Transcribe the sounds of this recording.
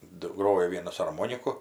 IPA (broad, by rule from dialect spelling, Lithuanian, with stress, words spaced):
ˈdʊ ˈɡroːjoː ˈʋʲiɛnɐs ɐrˈmoːnʲɪkʊ